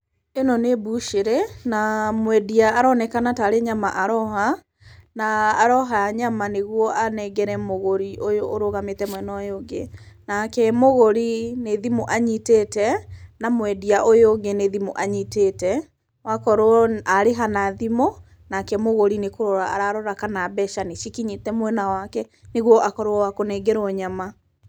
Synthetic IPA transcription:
enɔnebuʃeɾɛnamwɛdiaːɾɔnɛkanataɾeɲamaʔaɾɔɦa | naːɾɔɦaaɲamaneɣwɔanɛɡɛɾɛmoɣoɾiʔojoʔːɾoɣametɛmwɛnɔjoŋɡenakɛmoɣoɾineðimoʔaɲiteːtɛnamwɛdiaʔojoɡeneðimoʔaɲitetɛ | wakɔɾoɔaɾeɦanaðimo | nakɛmoɣoɾinekoɾoɾaaɾaɾɔɾakanabɛʃaniʃikiɲitɛmwɛnawakɛneɣwɔʔakɔɾoɔwakonɛɡɛɾɔɲama

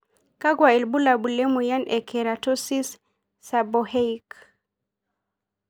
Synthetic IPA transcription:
kaɡwaɛlbulabulɛmujanʔɛkʰɛɾatɔsisː | abɔhɛjk

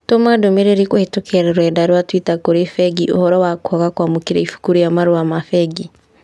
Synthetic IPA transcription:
tomadomeɾeɾikohetokʰeɾeɾwɛdaɾwatwitakoɾefɛɡiʔo̰hɔɾɔwakwɔɣakwamokiɾaifu̥kuɾojamaɾoamafɛɡi

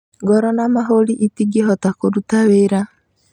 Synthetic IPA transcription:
ɡɔɾɔnamaɦoliʔitiɡeɦɔtakoɾutaβeːɾa

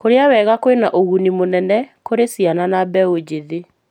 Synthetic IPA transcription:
koɾeawɛːɣakoenaʔoɣunimonɛnɛkoɾesiananabɛod͡ʑeðe

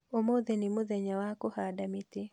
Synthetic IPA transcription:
omod̪enimoðeɲawakohadamit̪ɪ

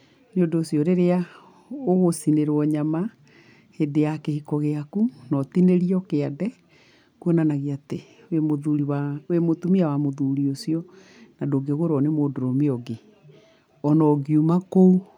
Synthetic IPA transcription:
nodoːsiɔɾeɾea | oɣosineɾwɔɲama | hedeakehikɔɣeakunɔtineɾiɔkeadɛ | kuɔnanaɣiate | emoðuɾiwaemotumiawamoðuːɾiosiɔ | nadoɡeɣoɾɔnemoːdoɾɔmeɔɡe | ɔnɔɡiumakou

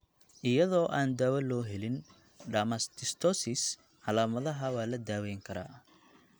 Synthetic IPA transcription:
ʔɪjɐðɔːʔaːnd̪aːwɐlːɔːɦɛlɪn | ɖɐmɐst̪ʰɪst̪ʰɔsɪs | ʕɑlaːmɐðɐɦɐwaːlɐd̪aːwɛjŋkʰɐɾa̰ː

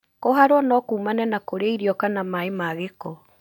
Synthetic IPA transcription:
koɦaɾwɔnɔkuːmanɛnakoɾeaiɾiɔkanamaemaɣekɔ

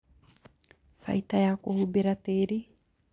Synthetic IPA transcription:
fɐ̰jt̪ɐjakohubɪɾɐt̪eːɾi

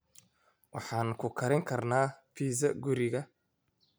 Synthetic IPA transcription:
wɑħɑːnkʰʊkʰɐɾɛŋkʰɐrnaːpʰiːzɐɡʊɾɪɣɐ

